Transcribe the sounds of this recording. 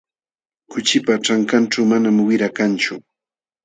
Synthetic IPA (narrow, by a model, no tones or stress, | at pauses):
kʊt͡ʃɪpaʈ͡ʂaŋkanʈ͡ʂawmanamwɪɾakant͡ʃʊ